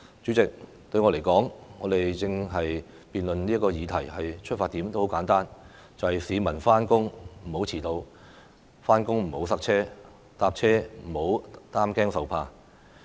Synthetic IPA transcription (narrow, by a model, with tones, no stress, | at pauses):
t͡ʃy˨˥t͡sɪ˨k̚ | t̪ɵ˧ɥjŋɔː˨˧le˨˩jkɔː˨˥ŋŋɔː˨˧d̪e˨jt͡sɪ˧ŋɦɐ˨j | piː˨nlɵ˨nliː˥ɐ˥kɔː˧jiː˨˧t̪ʰɐ˨˩jhɐ˨jt͡ʃʰɵ˥t̚faː˧t̪iː˨˥mt̪o˥who˨˥wkaː˨˥nt̪aː˥n | t͡sɐ˨whɐ˨jsiː˨˧mɐ˨˩nfaː˥nkʊ˥ŋm̩˨˩ho˨˥wt͡sʰiː˨˩t̪o˧w | faː˥nkʊ˥ŋm̩˨˩ho˨˥wsɐ˥k̚t͡ʃʰɛː˥ | t̪aː˧p̚t͡ʃʰɛː˥m̩˨˩ho˨˥wt̪aː˥mkɛː˥ŋsɐ˨wpʰaː˧